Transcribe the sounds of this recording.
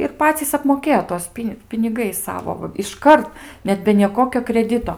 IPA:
ɪr ˈpɑːt͡sʲiːs ɐpmoːˈkʲeːjoː ˈtuɔs ˈpʲɪnʲ pʲɪnʲɪˈɡɐɪs ˈsɑːʋoː ʋɐ ɪʃˈkɐrt ˈnʲɛt bʲɛ nʲiɛˈkoːkʲoː krʲɛˈdʲɪtoː

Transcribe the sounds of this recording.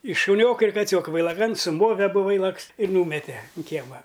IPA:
ɪ ʃʊˈnʲoːkɐ ɪr kɐˈt͡sʲoːkɐ ʋɐɪlˠɐˈkɐn sʊˈmoːʋʲɛ ɐˈbʊ ˈʋɐɪlˠɐks ɪr ˈnuːmʲɛtʲeː ʊn ˈkʲiɛmɐ

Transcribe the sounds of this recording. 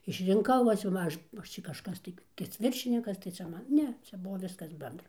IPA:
ɪʃʲrʲɪŋˈkɐʊ ˈʋɐ t͡ʃʲɛ ˈmɑːʒʊ ʋɐ ˈɐʃ t͡ʃʲɛ kɐʃˈkɐs tɐɪ tɐɪ t͡sʲɛ ˈʋʲɪrʲʃʲɪnʲɪkɐs tɐɪ ˈt͡ʃʲɛ ˈmɐn ˈnʲɛ ˈt͡ʃʲɛ ˈbuɔ ˈʋʲɪskɐs ˈbʲɛndrɐ

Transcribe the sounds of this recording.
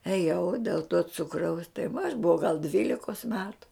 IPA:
eːˈjɛʊ dʲeːlˠ toː ˈt͡sʊkrɐʊs tɐɪ ʋɐ ɐʃ bʊˈʋɐʊ ɡɐlˠ ˈdʲʋʲiːlʲɪkoːs ˈmʲæːtʊ

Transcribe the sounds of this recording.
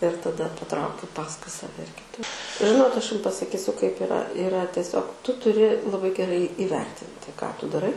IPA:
ɪr tɐˈdɐ pɐˈtrɐʊkʲʊ ˈpɑːskʊɪ sɐˈʋʲɛ ɪr kʲɪˈtʊ ˈʒʲɪnoːt ˈɐʃ ˈjʊm pɐsɐˈkʲiːsʲʊ kɐɪp ɪˈrɐ ɪˈrɐ tʲɛˈsʲoːk ˈtʊ tʊˈrʲɪ lˠɐˈbɐɪ ɡʲɛˈrɐɪ iːˈʋʲɛrʲtʲɪnʲtʲɪ kɑː ˈtʊ dɐˈrɐɪ

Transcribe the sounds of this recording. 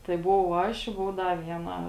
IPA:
tɐɪ bʊˈʋɐʊ ˈɐʃ ɪ ˈbʊʋʊ ˈdɐ ˈʋʲiɛˌnɐ

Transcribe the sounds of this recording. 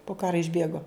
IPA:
poː ˈkɑːrɐ ɪʒʲˈbʲeːɡoː

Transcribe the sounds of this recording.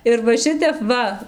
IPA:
ɪr ʋɐ ˈʃʲɪtʲɛp ˈʋɐ

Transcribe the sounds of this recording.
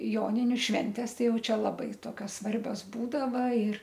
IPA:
ˈjoːnʲɪnʲʊ ˈʃʲʋʲɛnʲtʲeːs ˈtɐɪ ˈjɛʊ ˈt͡ʃʲɛ lˠɐˈbɐɪ ˈtoːkʲoːs ˈsʋɐrʲbʲoːs ˈbuːdɐʋɐ ɪr

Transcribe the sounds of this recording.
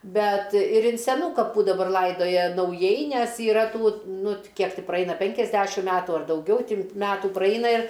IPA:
ˈbʲɛt ɪr ɪn sʲɛˈnuː kɐˈpuː dɐˈbɐr ˈlˠɐɪdoːjɛ nɐʊˈjɛɪ ˈnʲɛs iːˈrɐ ˈtuː ˈnʊ t ˈkʲiɛk tʲɪ prɐˈɛɪnɐ ˈpʲɛŋʲkʲɛzʲˌdʲæʃʲɪm ˈmʲæːtʊ ɐr dɐʊˈɡʲɛʊ ˈtʲɪ ˈmʲæːtuː ˈprɐɪnɐ ɪr

